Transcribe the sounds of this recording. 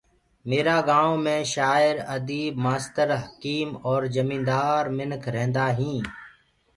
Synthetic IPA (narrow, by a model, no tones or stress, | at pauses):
meːɾaːɡaːõːmẽːʃaːɪɾəd̪iːbmaːst̪əɾɦəkiːmɔːɾzəmĩːnd̪aːɾmɪnkʰɾɛ̃ːnd̪aːɦĩː